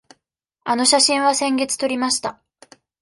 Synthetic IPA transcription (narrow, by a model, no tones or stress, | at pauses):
ano̞ɕaɕĩɰ̃βasẽ̞ŋɡe̞t͡sɨ̥t̪o̞ɾʲimaɕi̥t̪a